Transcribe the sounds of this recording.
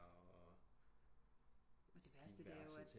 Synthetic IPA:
ɒ̽d̥e̝ʋæɐsd̥əʋ̥e̝æɐjoæs

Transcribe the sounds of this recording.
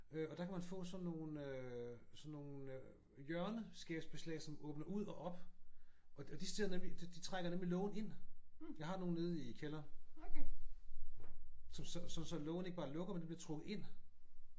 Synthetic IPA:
øɒ̽d̥ɑ̈kʰæmænfɔ̰̽ːsɒ̽nːo̝ːnøsɒ̽nːo̝ːnn̩ | jɶɐnəsɡ̥ɛb̥sb̥e̝slɛ̰ɪsɒ̽mɔ̽ːb̥nɐʔuð̰ˠɒʔɒ̽b̥ | ʔɒ̽ɒd̥isd̥eðˠnemlid̥d̥it͡sʰʁaɡ̥ɐnemlilɔ̽ːʊn̩e̝n̰jɑ̈ɪhɑ̈no̝ːn̩ne̝ð̞ˠikʰelɐn | sɒ̽msɒsɒ̽nsɒ̽lɔʊn̩e̝ɡ̥əb̥ɑ̈ːlɔ̽ɡ̥ɐmend̥eb̥liɐt͡sʰʁɔ̽ɡ̥ð̩ˠe̝n̰

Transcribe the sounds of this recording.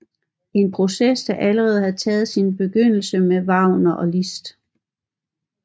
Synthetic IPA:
e̝npʰʁo̝sesd̥ɑ̈ʔæləʁɛːð̞̩ˠhæt͡sʰɛːð̞̩ˠsinb̥e̝ɡ̥øn̰l̩səmeʋɑ̈ʊ̰nɐʔɒ̽lisd̥

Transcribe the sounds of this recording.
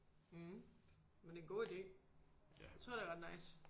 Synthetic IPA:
mend̥e̝nɡo̝̰ːid̥e̝̰ː | at͡sʰʁoɐ̰deɐʁɑ̈d̥nɑ̈ɪs

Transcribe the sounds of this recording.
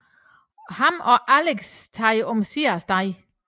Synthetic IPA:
hɑmɒ̽ʔæleɡ̥st͡sʰɑɪɔmsiɐsd̥ɑɪ

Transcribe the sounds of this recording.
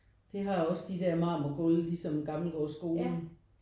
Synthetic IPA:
d̥eɦɑ̈ɒ̽sd̥id̥ɛɐmɑ̈ːmɐɡ̥ɔllisɒ̽mɡ̥ɑ̈ml̩ɡ̥ɒːsɡ̥o̝ːln̩

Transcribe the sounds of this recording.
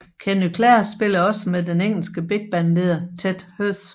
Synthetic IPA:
kʰenykʰlɛɐsb̥e̝lɐɒ̽səmeðˠd̥eneŋ̰l̩sɡ̥əb̥e̝ɡ̥̚b̥ænle̝ð̰ˠɐt͡sʰed̥høs

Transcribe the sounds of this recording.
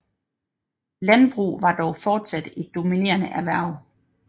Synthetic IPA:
lænb̥ʁṵːʋɑ̈d̥ɒʊfɒːd̥sæd̥e̝d̥ːo̝mine̝̰ːɐnəʔæʋæɐ̰ʊ

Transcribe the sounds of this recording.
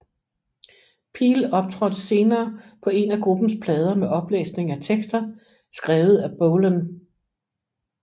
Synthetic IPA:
pʰḭːlɒ̽b̥̚t͡sʰʁɒ̽d̥se̝ːnɐːpʰɒ̽e̝næɡ̥ʁub̥n̩spʰlɛːð̞ˠɐmeʔɒ̽b̥lḛːsne̝ŋæt͡sʰeɡ̥sd̥ɐ | sɡ̥ʁɛːʊð̞̩ˠæb̥oʊlən

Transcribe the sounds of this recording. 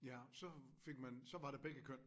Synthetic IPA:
jæsɒ̽fe̝ɡ̥̚mænsɒ̽ʋɑ̈ɾeb̥eɡ̥əkʰøn̰

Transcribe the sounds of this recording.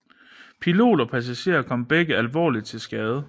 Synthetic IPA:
pʰilo̝̰ːdɐpʰæs̬æɕe̝̰ːɐkʰɒ̽m̰b̥eɡ̥əælʋɒ̰ːlid̥̚t͡sʰe̝lsɡ̥ɛːð̞ˠə

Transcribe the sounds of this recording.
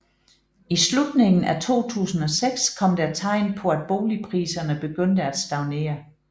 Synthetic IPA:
islud̥ne̝ŋn̩æt͡sʰo̝̰ːt͡sʰṵːsn̩ɒ̽seɡ̥skʰɒ̽md̥æt͡sʰɑ̈ɪ̰npʰɒ̽æd̥̚b̥o̝ːlipʰʁiːsɐnəb̥e̝ɡ̥øn̰d̥əæd̥sd̥ɑ̈ʊne̝̰ːɐ

